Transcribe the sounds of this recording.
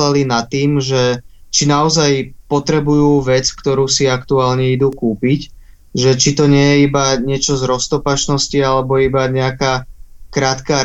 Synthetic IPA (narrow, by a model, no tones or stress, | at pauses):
lalinat̪ːiːmʒɛt͡ʃinaɔzajpɔt̪ɾɛbujuːʋɛt͡skt̪ɔɾuːsiakt̪uaːlɲɛid̪uːkuːpic | ʒɛt͡ʃit̪ɔɲɪɛjɛibaɲɪɛt͡ʃɔzɾɔst̪ɔpat͡ʃnɔscialɛbɔibaɲɛakaːkɾaːt̪kaː